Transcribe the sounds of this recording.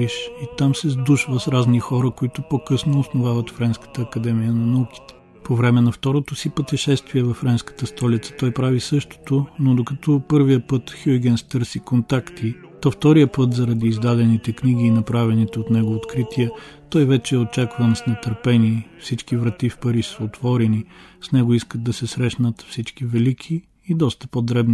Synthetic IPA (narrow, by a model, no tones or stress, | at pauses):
iʃit̪amsɛzd̪uʃvəsɾaznixɔɾəkoit̪ʊpokɤsnoːsnovavət̪fɾɛnskə̥t̪əːkɐd̪ɛmijənɐnɐuki̥t̪ɛ̥ | povɾɛmɛnɐft̪ɔɾot̪osipət̪ɛʃɛst̪viɛvɐfːɾɛnskə̥t̪əst̪ɔlit̪sə̥t̪ɔjpɾavisɤʃt̪o̥t̪onod̪okɐt̪ʰɔpɤɾvijəpɤt̪xuɡʲɛnst̪ɤɾsikont̪akt̪ʰit̪ɔft̪ɔɾijəpɤt̪zɐɾɐd̪iːzd̪ad̪ɛnit̪ɛkniɡ̟iːnɐpɾavɛnit̪ɛot̪nɛɡoot̪kɾit̪iɛt̪ɔjvɛt͡ʃɛːot͡ʃakvənsnɛt̪əɾpɛnifsit͡ʃkivɾɐt̪ifpɐɾiʃsəot̪vɔɾɛnisnɛɡoiskəd̪̚d̪ɐsɛsɾɛʃnət̪fsit͡ʃkivɛlikʲʰiː | d̪ɔst̪ə̥pod̪ɾɛbni